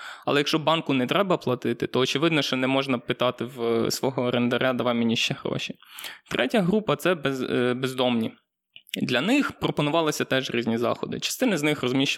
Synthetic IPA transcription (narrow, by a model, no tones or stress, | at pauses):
ɐ̰lˠɛjɐkʃt͡ʃɔbɑnkʊnɛt̪ɾɛbɐplˠɐt̪ɪt̪ɪt̪ɔːt͡ʃeʋɪd̪nɔʃt͡ʃɔnɛmɔʒnɐpɪt̪ɑt̪ɪwsʋɔɦɔɾend̪ɐɾʲʔad̪ɐʋɑmʲinʲiʃt͡ʃɛhɾɔ̰ʃʲit̪ɾʔɛtʲɐɦɾupɐt̪sɛbɛzbezd̪ɔmnʲi | d̪lʲɐnɪxpɾɔpɔnʊʋɑlˠɪsʲɐt̪ɛʒɾʲizʲnʲizɑ̰xɔ̰d̪ɪ̰t͡ʃɐ̥st̪ɪnɐznɪxrɔzmʲiʃt͡ʃ